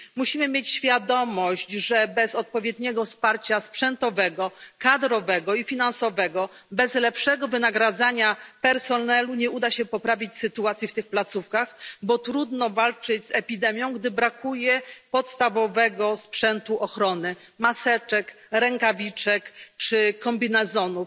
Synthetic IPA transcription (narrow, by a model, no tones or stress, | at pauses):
muɕimɘmjet͡ɕɕfʲjad̪ɔmɔɕt͡ɕʐɛbɛzɔt̪̚pɔvʲjɛd̪ɲɛɡɔfspaɾt͡ɕaspʂɛnt̪ɔvɛɡɔkad̪ɾɔvɛɡɔifʲinansɔvɛɡɔ | bɛzlɛpʂɛɡɔvɘnaɡɾad̪zaɲapɛɾsɔnɛluɲɛʔud̪aɕɛpɔpɾavʲit͡ɕsɘt̪uat̪sʲjift̪ɘxplat̪sufkaxbɔt̪ɾud̪nɔvalt͡ʂɘd͡ʑzɛpʲid̪ɛmʲjɔ̃w̃ɡd̪ɘbɾakujɛpɔt̪st̪avɔvɛɡɔspʂɛnt̪uʔɔxɾɔnɘ | masɛt͡ʂɛk | ɾɛŋkavʲit͡ʂɛkt͡ʂɘkɔmbʲinɛzɔnuf